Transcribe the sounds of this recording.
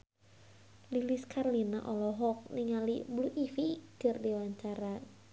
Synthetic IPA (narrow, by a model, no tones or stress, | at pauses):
liliskʰarlina̰ʔɔlɔɦɔk̚niŋalibluʔifiɡ̥ərdiwaɲt͡ʃaɾa